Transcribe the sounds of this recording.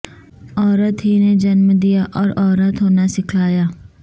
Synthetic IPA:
ɔːɾət̪ɦiːneːd͡ʒənmd̪ijaːʔɔːɾɔːɾət̪ɦoːnaːsɪkʰaːjaː

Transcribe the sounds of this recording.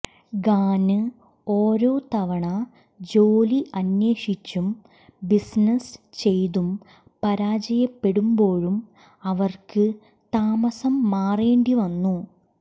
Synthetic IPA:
ɡaːnɨ | oːɾo̞ːt̪ɐʋɐɳɐ | d͡ʑoːliʔɐnjeːʂit͡ɕːum | bisnɐst͡ɕe̞jt̪um | pɐɾaːd͡ʑɐjɐpːe̞ɽumbo̞ːɻum | ɐʋɐrkɨ | t̪aːmɐsɐmːaːreːɳɖiʋɐnːu

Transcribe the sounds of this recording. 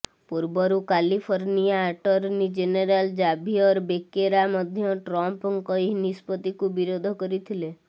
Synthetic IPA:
puɾbɔɾukalipʰoɾnijaːʈɔɾnid͡ʒeneɾald͡ʒabʱiɔɾbekeɾamɔd̪ʱjɔʈɾɔmpŋkɔinispɔt̪ikubiɾod̪ʱɔkɔɾit̪ʰile

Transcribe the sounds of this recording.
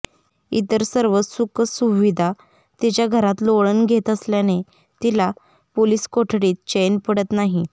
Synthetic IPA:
ḭt̪əɾsəɾʋəsukəsuʋid̪ʱa | t̪it͡ɕjaɡʱəɾat̪loɭənɡʱet̪əsljane | t̪ila | poliːskoʈʰɽiːt̪̚t͡ɕejnpəɽət̪naɦi

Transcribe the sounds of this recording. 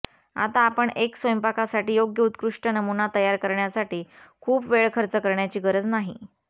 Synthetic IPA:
a̰t̪aːpəɳeksʋəjəmpakʰasaʈiːjoɡjəut̪kɾuʂʈənəmunat̪əjaɾkəɾɳjasaʈiːkʰuːpʋeɭkʰəɾt͡səkəɾɳjat͡ɕiːɡəɾəd͡znaɦḭ

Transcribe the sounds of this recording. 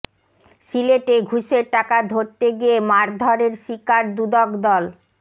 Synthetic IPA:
ʃileʈeɡʱuʃeʈakad̪ʱoɾt̪eɡijemaɾd̪ʱɔɾeɾʃikaɾd̪ud̪ɔkd̪ɔl

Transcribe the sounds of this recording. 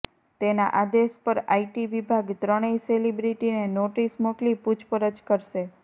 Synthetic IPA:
t̪ena̰ʔad̪eʃpəɾaiʈiʋibʱaɡt̪ɾəɽ̃eiselibɾiʈinenoʈismoklipud͡ʒpəɾəd͡ʒkəɾʃe

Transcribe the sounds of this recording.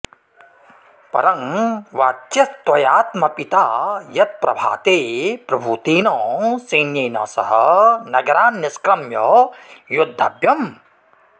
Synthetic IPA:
pɐ̰ɾɐŋʋaːt̪ːɐst̪wɐjaːt̪mɐpit̪aːjɐt̪̚pɾɐ̰bʱa̰ːt̪eːpɾɐbʱuːt̪eːnɔ̃ːsɐjnjɐjnɐ̰sɐ̰ɦɐnɐɡɐɾaːnːɐskɾɐmjɔjod̪ʱːa̰ːbjɐm

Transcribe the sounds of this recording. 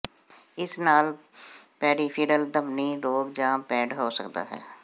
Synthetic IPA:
ɪsnaːl | pɛːɾiːpʰiɖəld̪əbniːɾoːɡd͡ʒãːpɛ̃ːɖɦoːsə̰kd̪a̰ːɦɛ̰ː

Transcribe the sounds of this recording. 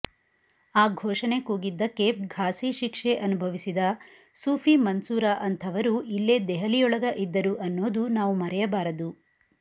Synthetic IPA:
aːɡʱoːʂɐne̞kuːɡid̪ːɐkːeːp̚ɡʱaːsiʃikʂeʔɐnubʱɐʋisid̪ɐ | suːpʰimɐnsuːɾaʔɐnt̪ʰɐʋɐɾuilːed̪ɛɦɐlijɔɭɐɡɐʔid̪ːɐɾuʔɐnːoːd̪unaːʋumɐɾɛjɐbaːɾɐd̪u

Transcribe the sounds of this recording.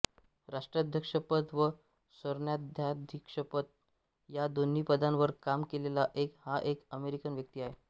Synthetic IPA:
ɾaʂʈɾad̪ʱjəkʂəpət̪ʋə | səɾɳjad̪ʱjad̪ʱikʂəpət̪̚ | jad̪on̤iːpəd̪ãnʋəɾkamkelelaʔekhaʔekəmeɾikənʋjək̚t̪iːaɦe

